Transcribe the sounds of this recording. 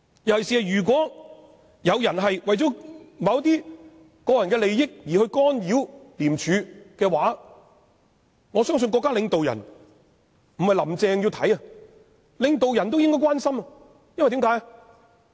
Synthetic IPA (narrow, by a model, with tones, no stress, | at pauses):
jɐ˨˩hsiː˨hɐ˨jyː˨˩k̬wɔː˨˥ | jɐ˨˧wjɐ˨˩nɦɐ˨jwɐ˨jt͡sɔː˨˥mɐ˨˧˥wt̪iː˥ | kɔː˧jɐ˨nkɛː˧le˨jːɪ˥k̚jiː˨˩hɵ˧ɥkɔː˥njiː˨˥wliː˨˩mt͡ʃʰyː˨˧kɛː˧waː˨˥ | ŋɔː˨˧sœː˥ŋs̬ɵ˧nkɔː˧kːa˥lɪ˨˧ŋt̪o˨wjɐ̰˨˩n | m̩˨˩hɐ˨jlɐ˨˩mt͡sɛː˧ŋjiː˧wt̪ʰɐ˨˥jɐ˧ | lɪ˨˧ŋt̪o˨wjɐ˨˩nt̪o˥wjɪ˥ŋkɔː˥˩kwaː˥nsɐ˥mɐ˨ | jɐ˥nwjt̪i˨˥mkaː˨˥jɐ˧